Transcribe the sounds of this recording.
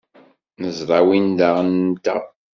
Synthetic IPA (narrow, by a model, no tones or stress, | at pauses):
nəzɾˤɑwind̪aʁənt̪æ̰